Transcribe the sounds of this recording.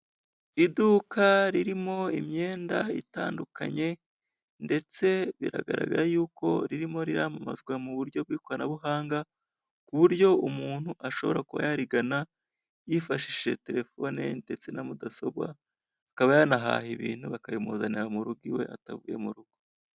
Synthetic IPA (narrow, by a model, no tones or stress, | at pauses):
idukʰaɾiɾimo̞imɲe̞ːndaitaːndukʰa̰ɲe̞ | nde̞t͡se̞βḭɾa̰ɡa̰ɾa̰ɡaɾajuːko̞̰ɾiɾimo̞ɾiɾamama̰zɡwamuβuɾɟo̞b̚ɡiːko̞ɾanaβuɦaːŋɡa | kuβuɾɟo̞umuːn̥huʔaʃo̞βo̞ɾakuβa̰jaɾiɡana | jifaʃiʃe̞̰te̞ɾe̞fo̞nḛnde̞t͡se̞namudaso̞bwa̰ | akaβajanaɦa̰ːhiβḭːn̥huβakajomozaniɾamuɾuɡiwe̞̰ʔa̰tavuje̞muɾuɡ̥u̥